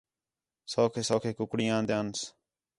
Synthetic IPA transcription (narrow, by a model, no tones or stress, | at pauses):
soːkʰeːsoːkʰeːkʊkɽĩːãːnd̪eaːns